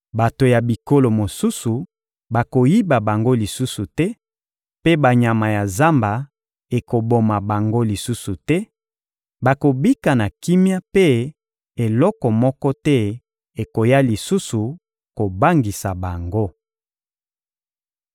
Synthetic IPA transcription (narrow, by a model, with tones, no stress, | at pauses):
ba˨to˨ja˨bi˨ko˦lo˨mo˨su˦su˨ | ba˨ko˨ji˦ba˨ba˨ŋɡo˦li˨su˦su˨tɛ˦ | pe˦ba˨ɲa˨ma˨ja˨za˦mba˨ | e˨ko˨bo˨ma˨ba˨ŋɡo˦li˨su˦su˨tɛ˦ | ba˨ko˨bi˦ka˨na˨ki˦mja˦pe˦ | e˨lɔ˦kɔ˨mɔ˦kɔ˦tɛ˦ | e˨ko˨ja˦li˨su˦su˨ | ko˨ba˦ŋɡi˨sa˨ba˨ŋɡo˦